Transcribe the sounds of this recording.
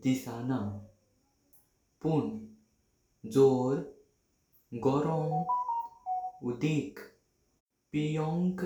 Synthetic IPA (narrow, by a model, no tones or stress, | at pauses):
d̪isana | pun | d͡zoɾ | ɡɔɾɔŋ | ud̪ik | pijɔŋk